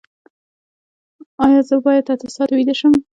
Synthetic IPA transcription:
ɑjɑzəbɑjad̪at̪asɑt̪wid̪əʃəm

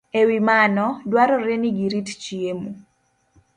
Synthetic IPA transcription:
ewimanɔdwaɾɔɾɛniɡiɾitt͡ʃiemu

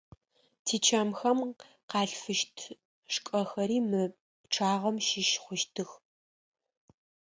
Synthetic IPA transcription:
tʰiːt͡ʃʰamxɐm | qɑːɬfɨʃtʰ | ʂkʷʼɐxɐɾiːmɨ | pʈ͡ʂʰaːʁɐmʃɪʃχʷʊʃtʰɨx

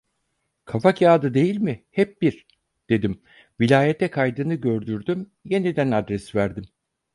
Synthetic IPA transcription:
kʰafakʰjaːd̪ɯd̪e̞jilʲmɪhɛp̚b̥iɾ̥ | d̪̥e̞d̪im | vilʲaːjɛt̪ʰɛkʰajd̪ɯnɯɟø̞ɾd̪yɾd̪ym | je̞nid̪ænad̪ɾɛsvæɾd̪im

